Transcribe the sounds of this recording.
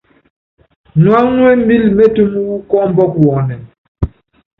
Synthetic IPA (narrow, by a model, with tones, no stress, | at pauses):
nwa˦nwɛ˦m˦bi˦lme˦tu˦mu˦wu˦kɔ˦m˦bɔ˦kwɔ˨˦nɛ˨